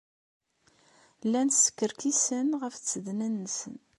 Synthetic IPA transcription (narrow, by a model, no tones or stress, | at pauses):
lːænsə̥kːəɾkisənʁəft͡sːəðnænːəsən